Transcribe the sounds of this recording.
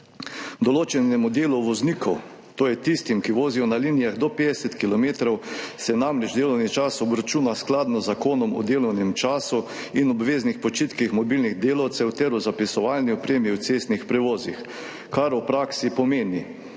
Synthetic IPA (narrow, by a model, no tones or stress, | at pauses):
d̪ɔloːt͡ʃɛnɛmud̪eːluʋɔzniːkʰɔ | t̪oːjɛt̪ist̪imkiʋoːzijɔnalinijaɣd̪ɔpeːd̪ɛsɛt̪kilɔmeːt̪ɾɔwsɛnamɾɛt͡ʃd̪eːlɔwnit͡ʃaːsɔbɾat͡ʃuːnasklaːd̪nɔzakoːnɔmɔ̰d̪eːlɔwnɛmt͡ʃaːsu | inɔbʋeːznixpɔt͡ʃit̪kixmɔbilniɣd̪eːlawt̪sɛwt̪ɛɾuzapisɔʋalniɔpɾeːmiwt̪seːst̪nixpɾɛʋoːzix | kaɾupɾaːksipɔmeːni